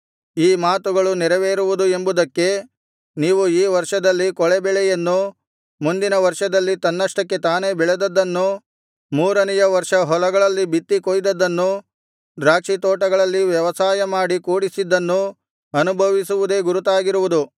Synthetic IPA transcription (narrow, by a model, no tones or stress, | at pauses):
iːmaːt̪uɡɐɭunɛɾɐʋeːɾuʋud̪ue̞mbud̪ɐkːe̞ | niːʋuiːʋɐɾʂɐd̪ɐlːikɔɭebɛɭɛjɐnːu | mund̪inɐʋɐɾʂɐd̪ɐlːit̪ɐnːɐʂʈɐkːe̞t̪aːne̞bɛɭed̪ɐd̪ːɐnːu | muːɾɐnɛjɐʋɐɾʂɐɦɔlɐɡɐɭɐlːibit̪ːikojd̪ɐd̪ːɐnːu | d̪ɾaːkʂit̪ɔːʈɐɡɐɭɐlːiʋjɐʋɐsaːjɐmaːɽikuːɽisid̪ːɐnːu | ɐnubʱɐʋisuʋud̪e̞ːɡuɾut̪aːɡiɾuʋud̪u